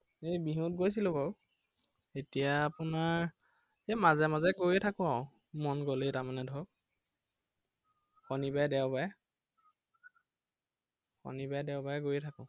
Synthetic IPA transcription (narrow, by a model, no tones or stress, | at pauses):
ejbiɦũt̚ɡojs̬ilokɔw | etijaːpʊnaɹ | emazɛmazɛɡojɛtʰakʊ̃aʊ̃ | mɔnɡoletaɹmanɛdʱɔk̚ | xɔnibajdɛʊbajɛ | xɔ̰nibajdɛʊbajɛɡojɛtʰakʊ̃